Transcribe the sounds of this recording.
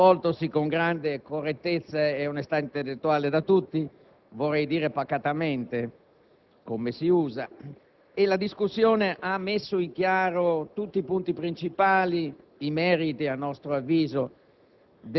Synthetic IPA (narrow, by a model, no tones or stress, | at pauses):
ɔlt̪osikoŋɡɾand̪ekorːet̪ːet̪sːaeunest̪aint̪elːet̪ːuaːled̪at̪ut̪ːi | vorːɛjd̪iːɾepakːat̪ament̪e | komesiuːza | elad̪iskusːjoːneʔamːesːoiŋkjaːɾot̪ut̪ːiːpunt̪ipɾint͡ʃipaːliː | mɛːɾit̪ianːɔst̪ɾoavːiːzo | d̪